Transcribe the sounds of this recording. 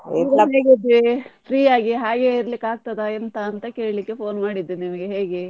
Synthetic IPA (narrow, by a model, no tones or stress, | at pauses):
ɛmɡeːɡid̪ːʋifɾiːjaːɡiɦaːɡeiɾɐlikːaːɡ̚t̪ɐd̪ɐent̪ɐːnt̪ɐke̞ːɭlikːe̞po̞ːnmaːɽid̪inimɐɡeɦe̞ːɡe